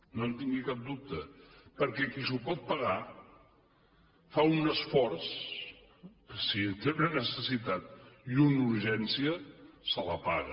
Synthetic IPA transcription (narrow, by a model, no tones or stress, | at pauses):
nont̪iŋɡikap̚d̪up̚t̪əpəɾkɛkisupɔt̪̚pəɣa | faunəsfɔɾs | sit̪eunənəsəsit̪at̪̚iunuɾʒɛnsiəsələ̰paɣə̰